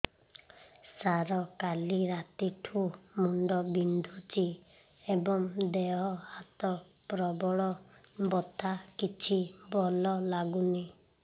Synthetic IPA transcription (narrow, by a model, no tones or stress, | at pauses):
saɾɔkaliɾat̪iʈʰumuɳɖɔbind̪ʱut͡ʃi | ebɔŋd̪eɦɔhat̪ɔ | pɾɔbɔɭɔ | bɔt̪ʰakit͡ʃʰibɔlɔlaɡuni